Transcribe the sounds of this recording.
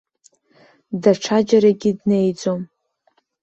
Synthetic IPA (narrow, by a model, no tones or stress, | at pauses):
daʈ͡ʂʰad͡ʒaɾaɡʲidne̞jd͡zom